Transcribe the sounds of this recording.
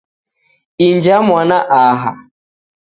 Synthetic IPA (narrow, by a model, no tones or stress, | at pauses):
ind͡ʒamwanaʔaɦa̰